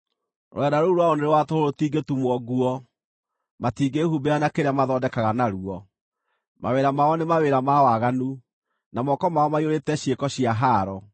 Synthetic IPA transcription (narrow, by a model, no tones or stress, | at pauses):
ɾ̰ɛdaɾoɾwaoneɾewatohoɾotiːɡetumwɔɡuɔ | matiːɡehubeanakeɾeamaðɔːdɛkaɣanaɾuɔ | ma̰weɾamaɔnemaweɾamawaɣanu | namɔkɔmaɔmaioɾetɛɕiekɔɕijaɦaːɾɔ